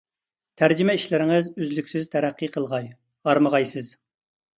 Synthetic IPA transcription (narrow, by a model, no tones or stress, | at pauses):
t̪ʰæɾd͡ʒimɛiʃlɪɾɪŋɨzyzlykʲsɪz̥t̪ʰɛɾæqːiqʰəlˠʁɑj | ɑɾməʁɑjsɨz̥